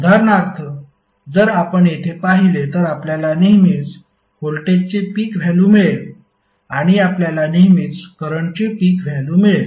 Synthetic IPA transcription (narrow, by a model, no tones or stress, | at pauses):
d̪ʱaɾnakt̪ʰə | d͡zəɾapəɳjet̪ʰepaɦilet̪əɾapljalaniɦmiːt͡s | holʈet͡ɕepiːkʋʱalumiɭel | aɽ̃iapljalaniɦmiːt͡skəɾəɳt͡ɕepiːkʋʱjalumiɭel